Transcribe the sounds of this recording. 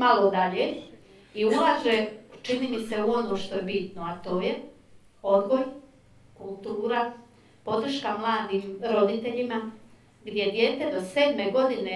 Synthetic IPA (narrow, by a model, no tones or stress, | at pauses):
malo̞d̪aʎe | iulaːʒet͡ʃinimise̞uo̞noːʃt̪o̞jebit̪noat̪o̞ːje | o̞d̪ɡo̞j | kulˠt̪uːɾa | po̞d̪r̩ʃkamlˠaːd̪iːmɾo̞d̪it̪e̞ʎima | ɡd̪ʲje̞d̪je̞ːt̪e̞d̪o̞se̞ːd̪me̞ɡo̞d̪ine̞